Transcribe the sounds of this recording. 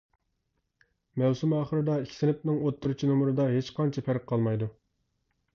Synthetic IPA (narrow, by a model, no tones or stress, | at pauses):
mæwsumɑːχəɾɨd̪ɑikʲʰi̥sɪnɪp̚nɪŋot̪ʰːuɾut͡ʃʰinumuɾɨd̪ɑɦet͡ʃqʰɑnt͡ʃʰɛpʰæɾqʰːɑlˠmɑjd̪u